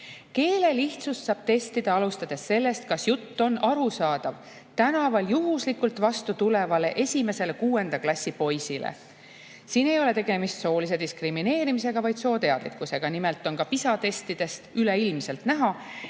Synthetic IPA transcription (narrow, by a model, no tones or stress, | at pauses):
ke̞ːle̞liht̪sussɑːb̥t̪e̞st̪id̪̥ɑɑlust̪ɑd̪̥e̞sːe̞lːe̞st̪̚kɑsjut̪ːo̞nɑɾusɑːd̪̥ɑv | t̪ænɑvɑljuɦuslikːult̪vɑst̪ut̪ule̞vɑle̞ʔe̞sʲime̞se̞le̞kuːe̞nd̪̥ɑklɑsʲːipo̞jsilḛ | siːne̞jo̞le̞t̪e̞ɡ̥e̞mist̪so̞ːlis̬e̞d̪iskrimine̞ːɾimise̞ɡ̥ɑvɑjd̪soːt̪e̞ɑd̪lḭkːˑuse̞ɡ̥ɑnimelt̪ːˑo̞nkɑpisɑt̪e̞st̪id̪̥e̞st̪yleilmse̞lt̪næɦɑ